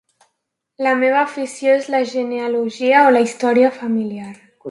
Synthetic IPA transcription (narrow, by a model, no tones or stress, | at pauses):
lameβ̞aːfisjoezlaʒenealuʒiaolaist̪ɔɾiafamiliaɾ